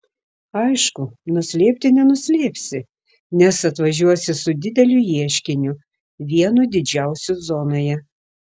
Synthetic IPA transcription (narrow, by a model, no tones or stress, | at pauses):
ɐɪʃkʊnʊsʲlʲeːpʲt̪ʲɪnʲɛnʊsʲlʲeːpʲsʲɪ | nʲɛsɐt̪ʋɐʒʲuɔsʲɪsʊd̪ʲɪd̪ʲɛlʲʊjiɛʃʲkʲɪnʲʊ | ʋʲiɛnud̪ʲɪd͡ʒʲæˑʊsʲʊzoːnoːjɛ